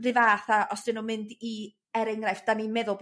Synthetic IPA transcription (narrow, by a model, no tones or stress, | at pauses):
rɪvaːθaʔɔsd̥ɨnumɪndi | ɛɾɛŋɡrajfd̥animɛðʊlˠb